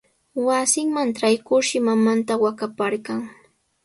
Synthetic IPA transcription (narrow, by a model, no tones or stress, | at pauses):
wasɪŋmanʈ͡ʂajkʊɾʃɪmamant̪awakapaɾɢaŋ